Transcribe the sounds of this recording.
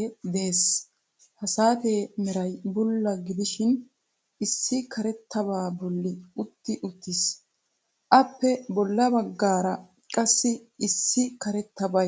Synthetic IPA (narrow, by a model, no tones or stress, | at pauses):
d̪eːs | hɐsaːt̪eːmɛɾɐjbʊlːɐɡɪd̪ɪʃɪn | ʔɪsːɪkʰɐɾɛt̪ʰːɐbaːbɔlːɪʊt̪ːɪʔʊt̪ːɪs | ʔɐpːɛbɔlːɐbɐɡːaːɾɐ | kʼɐsːɪ | ɪsːɪkɐɾɛt̪ʰːɐbɐj